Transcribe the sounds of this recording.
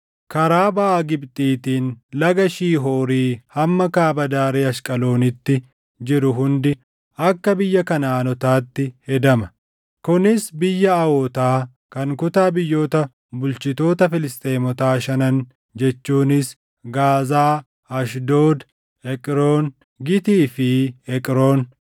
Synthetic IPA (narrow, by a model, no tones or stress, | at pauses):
kɐɾaːbɐːɡɪbt̪ʼiːt̪iːnlɐɡɐʃiːɦoːɾiːhɐmːɐkaːbɐd̪aːɾeːɐʃkʼɐlo̞ːnɪt̪ːɪ | d͡ʒɪɾʊɦʊnd̪ɪ | ɐkːɐbɪjːɐkɐnaːnɔt̪aːt̪ːɪhɛd̪ɐmɐ | kʊnɪsbɪjːɐɐwot̪aː | kɐŋkʊt̪aːbɪjːo̞ːt̪ɐ | bʊlt͡ʃɪt̪o̞ːt̪ɐfɪlɪst̪ʼeːmɔt̪aːʃɐnɐn | d͡ʒɛt͡ʃːuːnɪs | ɡaːzaː | ɐʃd̪oːd̪ | ɛkʼɾoːn | ɡɪt̪iːfɪɛkʼɾo̞ːn